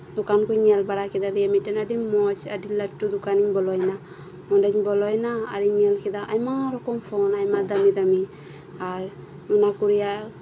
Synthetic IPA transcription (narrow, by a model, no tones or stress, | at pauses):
d̪ukankuɲialbaɽakid̪ad̪ijamiʈanaɖimɔt͡ʃa̰ɖiləʈːud̪ukaniɲbɔlɔjna | mɔnɖaɲbɔlɔjna̰ːɾiɲialkid̪aʔajmaɾɔkɔmpʰɔnajmad̪amid̪ami | aɾ | unakuɾija